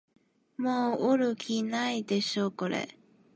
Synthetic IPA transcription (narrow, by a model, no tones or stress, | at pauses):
moːɯɾɯ̟kʲinaid̪e̞ɕo̞ːko̞ɾḛ